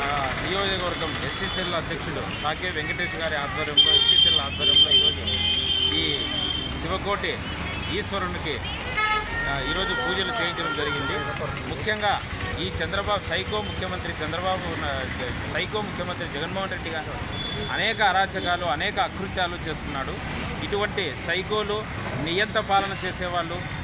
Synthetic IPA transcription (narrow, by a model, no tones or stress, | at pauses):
nijoːd͡ʒɐkɐʋɐɾɡɐmesisellɐd̪ʱjɐkʂuɽusaːkeːʋeŋɡɐʈeːʃɡaːɾiaːt̪ʋɐɾjɐmloːesiːseɾlaːd̪ʋɐɾjɐmlo | iː | siʋɐkoːʈi | iːsʋɐɾɐniki | iːɾo̞ːd͡ʒupuːd͡ʒɐlut͡ʃeːjiɲt͡ʃɐɽɐmd͡ʒɐɾiɡind̪i | mukʰjɐŋɡaː | iːt͡ʃɛnd̪ɾɐbaːbusɐjkoːmukʰjɐmɐnt̪ɾit͡ʃɛnd̪ɾɐbaːbu | sɐjkoːmukʰjɐmɐnt̪ɾid͡ʒɛɡɐnmoːɦɐnɾe̞ɖːiɡaː | ɐ̰nɛːkɐːɾaːt͡ʃɐkaːluɐnɛːkɐːkɾut̪jaːlut͡ʃe̞ːst̪unːaːɽu | iʈuʋɐɳʈisɐjko̞ːlu | nijɐnt̪ɐpaːlɐnɐt͡ʃe̞ːsɛːʋaːɭːu